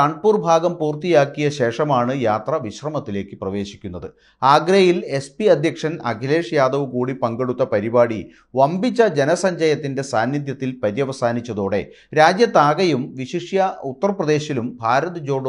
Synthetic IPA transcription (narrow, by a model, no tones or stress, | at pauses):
aɳɖpuːrbʱaːɡɐmpuːrt̪ijaːkːijɐɕe̞ːʂɐmaːɳɨjaːt̪rɐʋiɕrɐmɐt̪ːile̞ːkːɨprɐʋe̞ːɕi̥kʲːunːɐðɨ | aːɡɾɐjile̞spiɐd̪ʱjɐkʂɐnɐ̰ɡʱɐle̞ːʂjaːd̪ɐʋɨkuːɽipɐŋɡe̞ɽut̪ːɐpɐɾibaːɽi | ʋɐmbit͡ɕːɐd͡ʑe̞nɐsɐɲd͡ʑɐjɐt̪ːinde̞saːnjid̪jɐt̪ːilpɐɾijɐʋɐsaːnit͡ɕːɐðo̞ːɽe̞̰ | ɾaːd͡ʑjɐt̪ːaːɡɐjumʋiɕiʂjɐut̪ːɐrprɐd̪e̞ːɕilumbʱaːɾɐt̪ɨd͡ʑo̞ːɖ